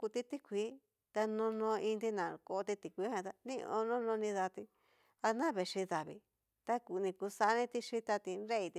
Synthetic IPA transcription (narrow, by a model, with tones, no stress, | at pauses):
ku˧t̪i˧t̪i˦kʷi˨˦ | t̪a˧nõ˧nõ˧ĩ˧nd̪i˧nã˨ko˧t̪i˧t̪i˨kʷi˧˦hã˧t̪a˧nĩ˦˧o̰˧nõ˦nõ˧nĩ˧ða˧t̪i˧ | a˧nã˦βe˨ʂi˧ða˨βḭ˧ | t̪a˦ku˨˧nĩ˧ku˧sa˧˦˧nĩ˦t̪i˧ʂi˧t̪a˧t̪i˧ɾe˦i˧t̪i˧